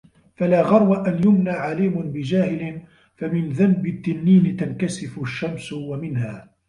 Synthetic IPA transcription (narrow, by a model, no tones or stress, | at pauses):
falaːɣɑɾˤwaʔanjʊmnaːʕaliːmʊnbɪd͡ʒaːhɪlɪn | famɪnðambɪt̪ːɪnːiːnɪt̪ankasɪfʊʃːamswamɪnhaː